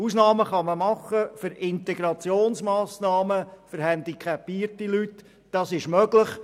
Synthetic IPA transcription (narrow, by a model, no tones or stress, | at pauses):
uːsnɑːməχɑməmɑχəfʏɾɪnt̪ɛɡɾɑt͡sjoːnsmɑːsnɑːməfəɾhænd̪ikʰɛpːiːrtilyt | d̥ɑsɪʃmœɡlɪχ